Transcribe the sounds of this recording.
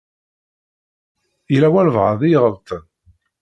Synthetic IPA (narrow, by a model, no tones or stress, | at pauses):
jlæwæɾəvʁəðˤijʁəlt̪ʰən